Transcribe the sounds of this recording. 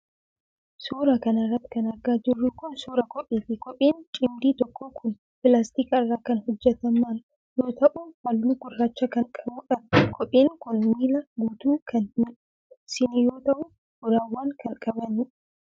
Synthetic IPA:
suːɾɐkɐnɐrːɐt̪ːɪ̥kɐnɐɾɡaːd͡ʒɪrːʊkʊnsuːɾɐkɔpʼːiːfɪkɔpʼːiːnt͡ʃʼɪmd̪iːt̪ɔkːoːkʰʊn | pɪlaːst̪iːkɪrːaːkɐnhɔd͡ʒːɛt̪ɐmːaːn | jo̞ːt̪ɐʔʊwɐlːiɡʊrːaːt͡ʃːɐkɐŋkʼɐbuːᶑɐbkʰɔpʼːiːŋkʊnmiːlɐɡuːt̪uːkʰɐnhmɪᶑʊ | sɪniːjo̞ːt̪ɐʔʊ̥ | ʊɾaːwːaːŋkɐŋkʼɐbɐnɪ

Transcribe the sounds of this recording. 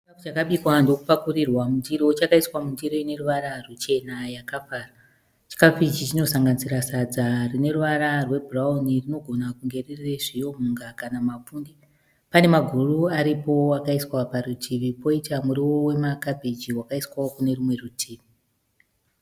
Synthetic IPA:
t͡ʃikafut͡ʃakaɓikwando̞kupakurirwamundiɾoot͡ʃakaiswamundiɾo̞ine̞ɾuʋaɾarut͡ʃe̞najakafaːra | t͡ʃi̥kafit͡ʃit͡ʃino̞saŋɡanisiɾasad͡zarine̞ruʋaɾarwe̞bʱuraunirino̞ɡʱo̞nakuŋɡe̞ririre̞ʐijo̞muŋɡakanamafundi | pane̞maɡʱuruaɾipo̞akaiswaparutʰiʋipo̞itamuɾiwo̞we̞makapid͡ʒiwakaiswaokune̞ɾumwe̞rutʰiːʋi

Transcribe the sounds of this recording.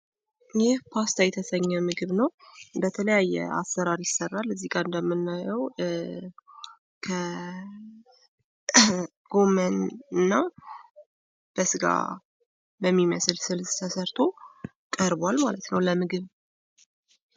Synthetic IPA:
jehpʰast̪ajɛt̪ʰəsəɲːɛmɨɡɨβnəwɨnd̪ət̪ʰələjajːɛ̰a̰sːəɾaɾjɪsːərːalːɨzːiɡaɨnd̪əmːɨnːajəw | kʰə | ɡ̥o̞mənɨnːa | b̥əsɨɡa̰ | bəmːiməsɨlsɨlst̪ʰəsəɾt̪ʰo̞ | kʼəɾbalmalət̪nəwləmɨɡɨβ

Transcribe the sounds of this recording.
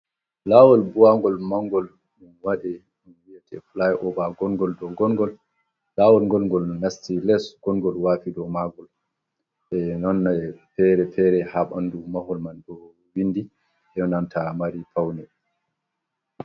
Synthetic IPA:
lawɔlbuwaŋɡɔlmaŋɡɔl | munwadɛ | munwiɛtʰɛ̰flajʔɔbaɡɔŋɡɔldɔɡɔnɡɔl | lawɔlŋɡɔlɡɔlnastilɛsɡ̥ɔŋɡɔlwaːfidɔmaɡɔl | ɓɛnɔnːapɛɾɛpɛɾɛhaɓandumaɦɔlmanɗɔ | winːdi | ʔɛnamtʰamaɾipawnɛ

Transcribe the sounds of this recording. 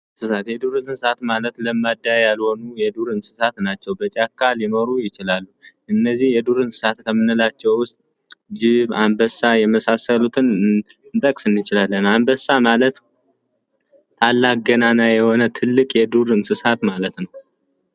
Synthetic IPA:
sɨsat̪jɛd̪uɾɨnsɨsat̪malət̪ləmːad̪ːajalho̞nujɛd̪uɾɨnsɨ̥sat̪nat͡ʃːɛwbət͡ʃʼakːalinoɾujɪt͡ʃɪlalːuʔɨnːəzːihjɛd̪uɾɨnsɨ̥sat̪kʰəmɨnɨlat͡ʃːɛwʊst̪ʼ | d͡ʒɪβambəsajɛməsasəlut̪ʰɨnɨnt̪ʼəkʼsɨnːɨt͡ʃɪlalːənambəsːamalət̪ | t̪ʰalːaɡənanajɛho̞nət̪ʰɨlːɨkʼjɛd̪uɾɨnsɨsat̪malət̪nəw

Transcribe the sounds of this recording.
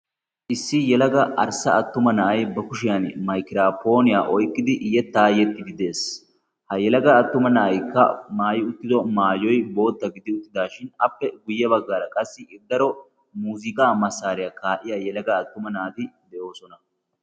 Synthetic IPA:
ʔɪsːɪjɛlɐɡɐʔɐɾsɐɐt̪ːʊmɐnɐʔɐjbɐkʊʃɪjanmɐjkɪɾaːpo̞ːnɪjaːʔɔjkʼːɪd̪ɪʔɪjɛt̪ːaːjɛt̪ːɪd̪ɪd̪e̞ːs | hɐjɛlɐɡɐːt̪ːʊmɐnɐʔɐjkːɐmaːjɪʊt̪ːɪd̪ɔmaːjɔjbo̞ːt̪ːɐɡɪd̪ɪʊt̪ːɪd̪aːʃɪnɐpːɛɡʊjːɐbɐɡːaːɾɐkʼɐsːɪɪd̪ːɐɾɔ | muːzɪkʼaːmɐsːaːɾɪjakaːʔɪjajɛlɐɡɐːt̪ːʊmɐnɐːt̪ɪd̪ɛʔo̞ːsɔnɐ

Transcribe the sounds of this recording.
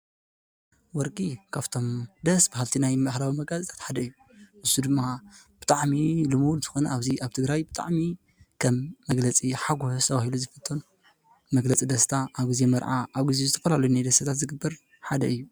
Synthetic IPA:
wɔɾkʼikʰaβt̪ʰo̞md̪ɐsbɨhalt̪ʰinajmxlawimɐɡlɐt͡sʼit̪ʰḁt̪ħad̪ɐɨjːu | mɨsud̪ɨmːa | b̥ɨt̪ʼaʕmilɨmud̪zɨxo̞nɐ̰ʔaβziʔaβt̪ʰɨɡɾajbɨt̪ʼa̰ʕmi | kʰɐmːɐɡlɐt͡sʼiħaɡʷusʰɐβahiluzɨfɐt̪ʰʼːon | mɐɡlɐt͡sʼid̪ɐst̪ʰaʔaβɡize̞mɐɾʕaʔaβɡizezɨt̪ʰɐ̥fɐlalɐjunajd̪ɐsʰɐt̪ʰat̪zɨɡɨbːɐɾ | ħad̪ɐɨjːu

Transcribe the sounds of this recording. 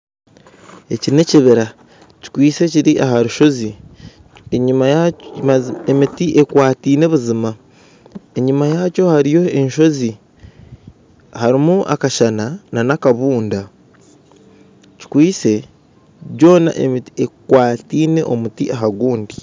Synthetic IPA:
e̞cine̞ciβiɾa | ci̥kwiːse̞ciɾiʔaɦaɾuʃo̞zi | eɲum | emitiʔe̞kwaːtiːne̞βuzima | e̞ɲumajaco̞haɾijo̞e̞ɲʃo̞zi | haɾimuʔa̰kaʃanananakaβuːnda | ci̥kwiːse̞ | ɟo̞ːna̰ʔemiekwaːtiːne̞ʔo̞mutiʔaɦaɡuːndi

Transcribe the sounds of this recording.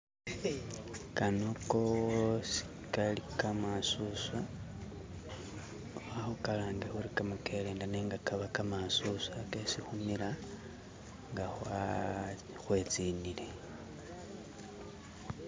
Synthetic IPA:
kanokosi̥ | kalikamasuswa | waxukalaːŋɡaxuɾikamukʰe̞leːndaneːŋɡakaβakamasuswakesixumiɾa | ŋɡaxwa | xwe̞t͡siːnile̞

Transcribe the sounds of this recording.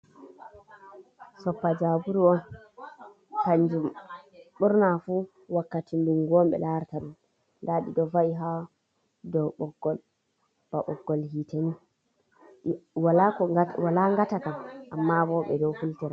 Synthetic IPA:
sɔpːad͡ʒabuɾuɔn | taɲd͡ʒumɓuɾnafu | wakːatinduŋɡɔmɓɛ̰laɾtaɗum | laɗidɔvaiɦa | dɔɓɔɡɔl | b̥aɓɔɡːɔlhitani | walakɔwalaŋɡatakamʔamːabɔɓɛ̰dɔwfultɛɾa

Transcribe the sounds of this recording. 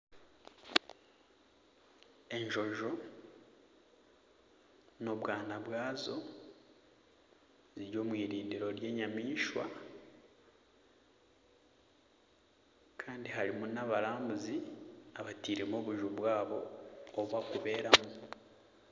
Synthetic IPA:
e̞ɲʒo̞ʒo̞ | no̞βwaːnaβwaːzo̞ | ziɾjo̞ːmwiːɾiːndiɾo̞ɾje̞ːɲamiːʃwa̰ | kʰaːndiɦaɾimunaβaɾaːmbuziaβatiːɾemoβuʒuβwaːβo̞ːβwakuβe̞ːɾamu

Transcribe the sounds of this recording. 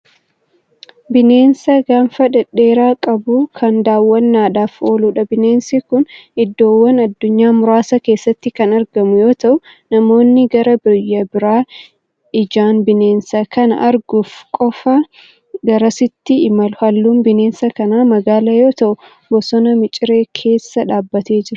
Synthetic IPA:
bɪne̞ːnsɐɡaːnfɐᶑɛᶑe̞ːɾaːkʼɐbuːkʰɐnd̪aːwːɐnːaːᶑaːfo̞ːluːᶑɐbɪne̞ːnsikʊnɪd̪ːo̞ːwːɐnɐd̪ːʊɲːaːmʊɾaːsɐke̞ːsːɐt̪ːɪkɐnɐɾɡɐmʊjo̞ːt̪ɐʔʊ | nɐmo̞ːnːɪɡɐɾɐbɔjːɐbɪɾaː | ɪd͡ʒaːnbɪne̞ːnsɐkɐnɐ̰ʔɐɾɡʊfkʼɔfɐ | ɡɐɾɐsɪt̪ːɪːmɐlʊhɐlːuːnbɪne̞ːnsɐkɐnaːmɐɡaːlɐjo̞ːt̪ɐʔʊ | bɔsɔnɐmɪt͡ʃʼɪɾe̞ːkʰe̞ːsːɐᶑaːbːɐt̪e̞ːd͡ʒɪɾɐ

